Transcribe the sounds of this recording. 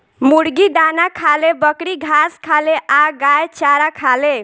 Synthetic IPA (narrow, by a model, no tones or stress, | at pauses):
muɽɡid̪anakʰalebəkɽiɡʱaskʰaleʔaɡajt͡ʃaɾakʰale